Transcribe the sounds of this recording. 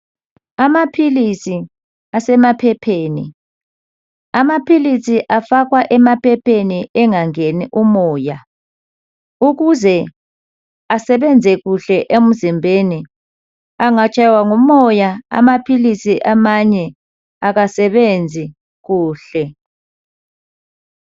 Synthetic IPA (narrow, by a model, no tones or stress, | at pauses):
amapʰilisi | asɛmapʰɛpʰeːnḭ | amapʰilisiʔafakwaʔɛmapʰɛpʰeniʔɛŋaŋeniʔumɔːja | uɣ̬uzɛ | asɛɓɛnd͡zʱɛk̬uɬɛʔem̩zimbʱeni | aŋat͡ʃʼajwaŋumɔjaa̰mapʰilisiʔamaɲɛ | ak̬asɛɓend͡zʱi | k̬uːɬɛ